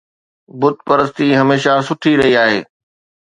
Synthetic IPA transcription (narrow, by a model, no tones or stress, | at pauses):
bʊd̪̚ʱpɐɾəst̪iɦɐmeːʃasʊʈʰiɾɐɦiaːɦḛː